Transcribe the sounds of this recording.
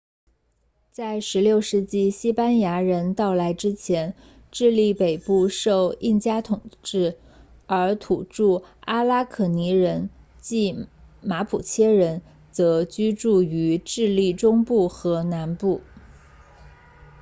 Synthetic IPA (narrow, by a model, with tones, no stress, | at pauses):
t͡sa˥˩ɪʂɻ̩˧˥ljo˥˧ʊʂɻ̩˥˧t͡ɕi˥˩ɕi˥pa˥nja˧˥ɻə˧˥nt̪ɑ˥˩ʊla˧˥ɪʈ͡ʂɻ̩˥t͡ɕʰjɛ˧˥n | ʈ͡ʂɻ̩˥˧li˥˩pe˨˩ɪpu˥˧ʂo˥˧ʊi˥˩nt͡ɕja˥t̪ʰʊ˨˩ŋʈ͡ʂɻ̩˥˩ | ə˞˧˥t̪ʰu˨˩ʈ͡ʂu˥˩a˥la˥kʰɤ˨˩ni˧˥ɻə˧˥n | t͡ɕi˥˩ | ma˧˥pʰu˨˩t͡ɕʰjɛ˥ɻə˧˥n | t͡sɤ˧˥t͡ɕy˥ʈ͡ʂu˥˩y˧˥ʈ͡ʂɻ̩˥˧li˥˩ʈ͡ʂʊ˥ŋpu˥˩xɤ˧˥na˧˥npu˥˩